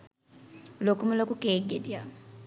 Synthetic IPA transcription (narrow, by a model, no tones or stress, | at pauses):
lokumulokukʼeɡedja